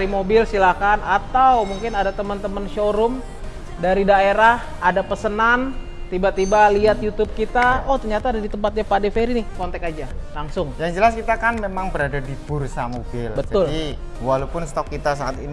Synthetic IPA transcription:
ɾimobɪlsilakanat̪awmuŋkɪnadat̪əmənt̪əmənʃoɾʊm | daɾidaeɾah | adapəsənan | t̪ibat̪ibaliat̪̚jut̪ʊb̚kit̪aɔt̪ərɲat̪aːdadit̪əmpat̪̚ɲapadefeɾinɪhkɔnt̪ɛkad͡ʒalaŋsʊŋjaŋd͡ʒəlaskit̪akanmemaŋbəɾadadipursamobɪlbət̪d͡ʒaʊli | walapʊnst̪ɔkːit̪as̬aat̪ini

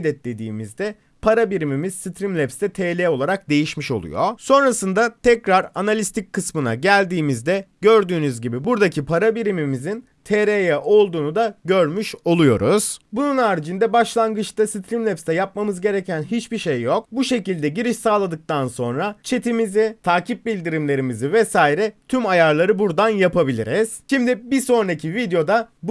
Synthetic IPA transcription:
d̪ɛt̪lʲe̞d̪ḭːmizd̪ɛ | pʰaɾabiɾimimiz̥sit̪ʰɾimlʲɛpst̪ɛt̪ʰeːlʲɛːo̞lˠaɾak̚d̪e̞jiʃmiʃo̞̰lˠṵjo̞so̞nɾasɯnd̪at̪ʰɛcɾaɾanalʲist̪ʰic̚kːɯsmɯna̰ɟælʲd̪iːmizd̪ɛɟø̞ɾd̪yːnyzɟibibuɾd̪acʰipʰaɾabiɾimimizin | t̪ʰeɾejɛʔo̞lˠd̪uːnud̪aɟøɾmyʃo̞lˠujo̞̰ɾuz̥bununaːɾd͡ʒind̪ɛbaʃlˠanɡɯt͡ʃt̪asit̪ʰɾʲimlʲɛpst̪ɛjap̚mamɯzɟe̞ɾecʰænɦit͡ʃbiʃe̞jːo̞k̚buʃe̞cilʲd̪ɛɟiɾiʃsaːlˠad̪ɯk̚t̪ʰanso̞nɾat͡ʃʰe̞t̪ʰimizit̪ʰaːcʰip̚bilʲd̪iɾimlʲe̞ɾimizivɛsaːiɾɛt̪ʰymajaɾlˠaɾɯbuɾd̪anjapʰabilʲḭɾiz̥ʃimd̪ibiso̞nɾacʰivid̪ejo̞d̪ab

